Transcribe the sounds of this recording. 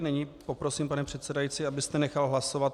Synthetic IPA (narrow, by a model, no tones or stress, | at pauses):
nɛɲiːpo̞pɾo̞siːmpanɛpr̥ɛt̪sɛdajit͡siːabɪst̪ɛnɛxalɦlaso̞vat̪